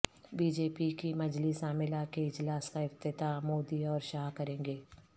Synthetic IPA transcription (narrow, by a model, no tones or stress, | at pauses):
biːd͡ʒeːpikimɐd͡ʒlisaːmɪlakeɪd͡ʒlaːskaɪft̪ɪt̪amoːd̪iɔːɾʃaːɦkɐɾẽːŋɡeː